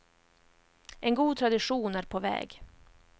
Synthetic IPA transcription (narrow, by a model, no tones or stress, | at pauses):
ʔɛnɡuːt̪ʰɾad̪ɪɧuːnæɾpʰɔvɛ̰ːɡ